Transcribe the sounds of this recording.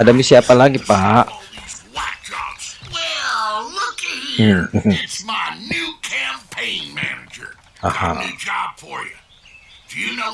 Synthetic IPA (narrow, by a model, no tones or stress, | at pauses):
adamisiapalaɡipaʔwʌt̚d̥ʒ̥ɑ̰bwɛllʊk̩ | ɪtsmaɪnʉkʰæ̃mpʰẽɪ̃nmæ̰nɨd͡ʒə̰˞ | ahã̰ʉd͡ʒɑb̥fə˞jɨ | d̥ɨjɨno